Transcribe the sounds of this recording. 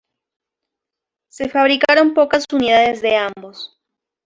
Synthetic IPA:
se̞faβ̞ɾikaɾo̞mpo̞kasuniðaðezðe̞ambo̞s

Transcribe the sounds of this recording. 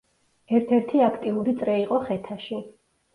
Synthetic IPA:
ɛɾt̪ʰɛɾt̪ʰiakʰt̪ʼiuɾit̪sʼɾɛiqʼɔχɛt̪ʰaʃi

